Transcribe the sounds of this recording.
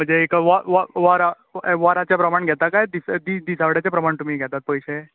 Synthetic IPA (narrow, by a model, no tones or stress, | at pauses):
m̤əɳd͡zeːkaʋaʋaʋaɾa | ʋaɾat͡ɕjapɾəmaɳɡʱɛt̪akajd̪isd̪id̪isaʋɽjat͡ɕapɾəmaɳt̪um̤iːɡʱɛt̪at̪̚pəjɕe